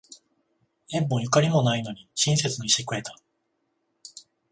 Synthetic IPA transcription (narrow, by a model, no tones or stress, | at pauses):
ẽ̞mbõ̞jɯ̟kaɾʲimo̞naino̞ɲ̟iɕĩɰ̃s̬e̞t͡sɨnoiɕikɯ̟e̞t̪ḁ